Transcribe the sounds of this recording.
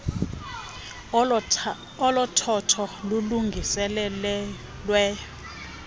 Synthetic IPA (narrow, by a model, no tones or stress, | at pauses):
ɔlɔtʰɔtʰɔluluŋɡʱisɛlɛ | lwɛːjɔ